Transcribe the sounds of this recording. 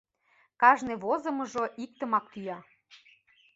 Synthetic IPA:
kɑʒneβozɤ̆mɤ̆ʒoʔik̚t̪əmɑk̚t̪yjɑ

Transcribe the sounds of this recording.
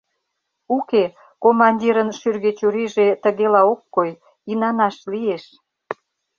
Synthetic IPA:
uke | komɑnʲdʲiɾənʃyrɣet͡ɕuɾiʒet̪əɣelɑokːoj | inɑnɑʃlieʃ

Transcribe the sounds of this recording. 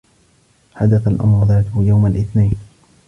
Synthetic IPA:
ħad̪aθalʔa̰mɾʊðaːt̪ʊhʊjawmalʔɪθnajn

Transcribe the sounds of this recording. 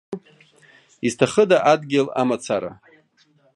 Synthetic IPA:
iztʰaχədaʔadɡʲɪla̰mat͡sʰaɾa̰

